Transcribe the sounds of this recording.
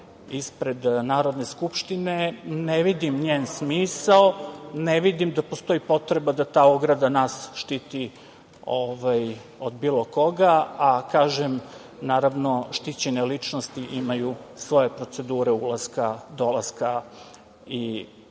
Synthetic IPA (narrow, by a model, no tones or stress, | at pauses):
ispɾe̞d̪naːɾod̪ne̞skupʃt̪ine̞neʋid̪imɲeːnsmiːsalneʋid̪imd̪apost̪o̞ipo̞t̪ɾe̞bad̪at̪aːoɡɾad̪anasʃt̪it̪i | oʋaj | o̞d̪biːlˠo̞ko̞ɡaakaːʒem | naːɾaʋno̞ʃt̪it͡ɕe̞nelit͡ʂnost̪iʔimajusʋo̞je̞pɾo̞t̪se̞d̪uːɾeulˠaskad̪o̞laska | i